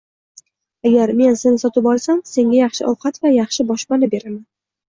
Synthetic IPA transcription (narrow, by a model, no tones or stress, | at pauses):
aɡʲaɾme̞nsenɪsɒt̪ɪpɒlˠsamse̞ŋɡʲajaχʃɪʔɒwqʰɑt̪vajɑχʃɪbɒʃpanɪbe̞ɾaman